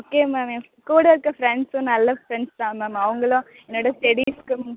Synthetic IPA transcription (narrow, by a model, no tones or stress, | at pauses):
oːkeːmaːme | kuːɽɐɪɾɯkːɐfɾɛɳɖsʊ̃nɐlːɐfɾɛɳst̪ãːmaːmɐʋɐŋɡɐɭõ | ɛnːoːɽɐsʈɛɽiskɯ̃